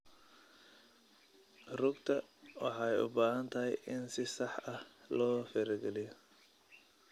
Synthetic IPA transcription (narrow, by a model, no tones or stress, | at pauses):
rʊɡt̪ʰɐwɑ̰ħɑjʊ̰baːɦɐnt̪ʰɐɦɛ̰jʔɪnsɪsɑħɐhlɔːfɛɾɛɡɛlɪjɔ